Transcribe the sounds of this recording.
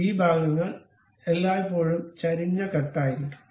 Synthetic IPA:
iːbʱaːɡɐŋːɐɭ | elːaːjipːo̞ːɻumt͡ɕɐɾiɲːɐkɐt̪ːaːjiɾunːu

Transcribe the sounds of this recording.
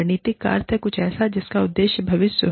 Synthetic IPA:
ɾniːt̪ɪkːa̰ːɾt̪ɛkʊt͡ʃʰɛːsad͡ʒɪskaʊd̪ːeːʃjəbʱɐʋɪsjə

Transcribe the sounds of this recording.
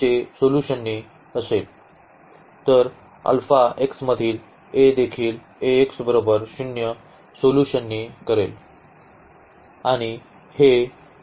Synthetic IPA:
esoluɕənːiː | əsel | t̪əɾ | ə̰lfaeksməd̪ʱiːl | ed̪ekʰiːl | eːksbəɾobəɾɕunjə | soluɕənːiːkəɾḛl | aɽ̃i | he

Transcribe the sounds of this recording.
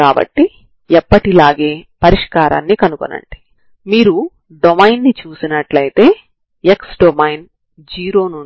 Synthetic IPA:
kaːbɐ̰ʈːi | ɛpːɐʈilaːɡe̞ːpɐɾiʂkaːɾa̰ːnːikɐnuko̰nɐ̰ɳɖi̥ | miːɾu | ɖomɐjnːit͡ʃuːsinɐʈlɐjit̪e̞ː | eksɖomɐjn | d͡ʒiːɾo̞ːnu

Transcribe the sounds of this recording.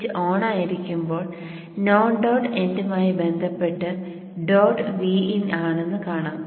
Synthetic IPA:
t͡ɕːɨʔoːɳaːjiɾikʲːumbo̞ːɭ | noːɳɖɐːɖe̞ndɐmaːjibe̞nd̪ʱɐpːe̞ʈːɨ | ɖoːɖʋiːinaːɳenːɨkaːɳaːm

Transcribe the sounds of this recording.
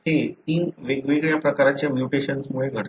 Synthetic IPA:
et̪iːnʋeɡʋeɡɭjapɾəkaɾat͡ɕjamjuʈeɕənsmuɭeɡʱəɽ

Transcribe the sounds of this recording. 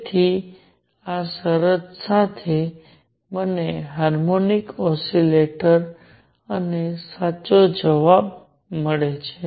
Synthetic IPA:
t̪ʰi | asəɾəd͡ʒsat̪ʰe | məneɦaɾmonikɔsileʈəɾ | ənesaːt͡ʃod͡ʒəʋab | məɭet͡ʃʰe

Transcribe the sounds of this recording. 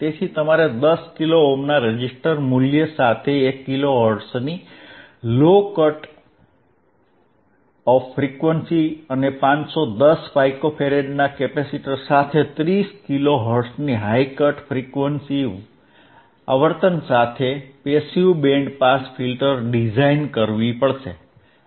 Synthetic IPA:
t̪et͡ʃʰit̪əmaɾed̪əskiloomnaɾed͡ʒisʈəɾmuljəsat̪ʰeːkːiloɦəɾɖsni | lokəʈ | ɔfɾikʋənsiənepãt͡ʃsod̪əsfajkopʰeɾeɖnakepesiʈəɾsat̪ʰet̪ɾiskiloɦəɾɖsniɦajkəʈfʰɾikʋənsi | a̰ʋəɾt̪ənsat̪ʰepesiubẽɳɖpasfʰilʈəɾɖid͡ʒainkəɾʋipəɭʃḛ

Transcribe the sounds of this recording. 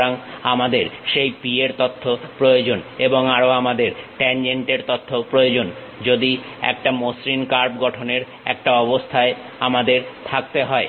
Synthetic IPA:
aŋamad̪eɾʃejpieɾt̪ot̪ʰːopɾojod͡ʑoneboŋaɾoamad̪eɾʈɛnd͡ʑeɳʈeɾt̪ot̪ʰːopɾojod͡ʑon | d͡ʑod̪i | ɛ̰k̚ʈamosɾinkaɾb̚ɡɔʈʰoneɾ | ɛ̰k̚ʈaɔbost̪ʰae | amad̪eɾt̪ʰak̚t̪eɦɔe

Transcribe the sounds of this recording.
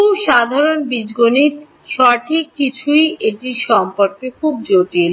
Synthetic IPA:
uʃad̪ʱaɾonbid͡ʑɡonit̪ | ʃɔʈʰikːit͡ɕʰuieʈiʃɔmpoɾkekʰub̚d͡ʑoʈil

